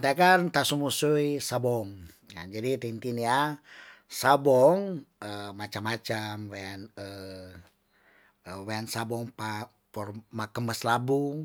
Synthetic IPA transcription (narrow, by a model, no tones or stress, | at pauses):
nt̪akant̪asumusuisabɔŋ | ja̰nd͡ʒadit̪ent̪inia | sabɔŋəmat͡ʃamat͡ʃamwɛnə | wɛnsabɔŋpa | pɔrmakəməslabuŋ